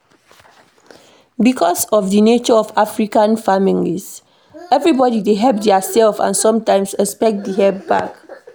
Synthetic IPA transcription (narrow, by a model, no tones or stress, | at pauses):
bikʰɔsɔfdənet͡ʃɔɔfafɹikãnfamĩŋis | ɛvɹibɔdideɦɛp̚dɛasɛlfã̰nsɔ̃mtãɪ̃msɛspɛk̚t̚diɦɛp̚ba̰k